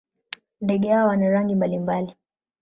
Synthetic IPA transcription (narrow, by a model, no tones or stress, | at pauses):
ndɛɡɛhawanaɾaŋɡimbalimbali